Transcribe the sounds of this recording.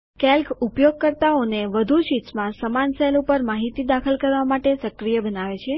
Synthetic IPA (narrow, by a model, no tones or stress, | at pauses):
kɛlkʰupjoɡ̚kəɾt̪aoneʋəd̪ʱuʃit̪smãsəmansɛlupəɾmaɦit̪id̪akʰəlkəɾʋamaʈesəkɾijəbənaʋet͡ʃʰe